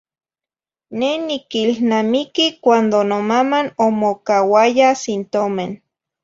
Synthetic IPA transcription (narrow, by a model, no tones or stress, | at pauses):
nenikilnamikikʷand̪onomamanomokawajasint̪omen